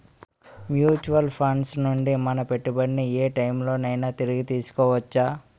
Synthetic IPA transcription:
mjuːt͡ʃuʋɐlpʰɐɳsnuɳɖimɐnɐpe̞ʈːibɐɽinieːʈɐjmlo̞ːnɐjnaːt̪iɾiɡit̪iːsu̥kɔːʋɐt͡ʃːaː

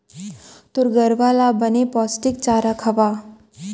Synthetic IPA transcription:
t̪oɾɡəɾʋalabənepɔːsʈɪk̚t͡ʃaːɾakʰɐʋa

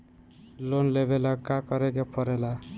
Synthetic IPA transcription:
lonlebʱelʌkakʌɾekepʰʌɾela

